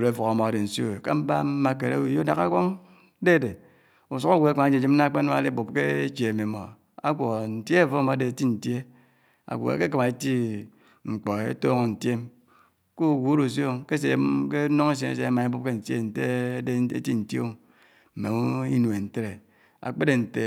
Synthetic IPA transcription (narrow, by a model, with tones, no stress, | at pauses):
ɾe˨˦fo˨ka˨mo˨a˨de˨n̩˨so̰˦e˨ka̰˦m̩˦ba̰˦m̩˦ma˨k̬e˨ɾḛ˦u˨jo˦na˨ka˦kʷo˦ŋ˦ | de˦˨de˨ | u˨su˦ka˦wo˨e˦ka˨˦d͡ʒd͡ʒi˦m̩˦na˦k͡pe˦n˦a˨˦e˦bu˨p̚ke˦e˦t͡ʃe˨me˨mo˨ | a̰˦kʷo˨n̩˨te˦˨fo˦˨mo˨a˦de˨ti˦n̩˨tje˦ | a̰˨kʷo̰˨ḛ˨ke˦ka˨ma˨e˦ti˦ | ŋ͡m̩˨k͡po˨ḛ˦to˦ŋo˨n̩˨tje˦m | ku˦˨ɡu˦ɾu˨s̬o˦ke˦s̬e˨˦m˦ke˦no˦ŋe˦s̬je˨nḛ˨se˦a˦ma˨e˦bu˦p̚ke˦n̩˨tjḛ˦˨n̩˨te˦e˦ḛ˦ti˦n̩˨tjo̰˦˨ | m̩˨me˨o˦i˦nu˨e˨n̩˨te˦ɾe˨ | a̰˨k͡pe˦de˨n̩˨te˨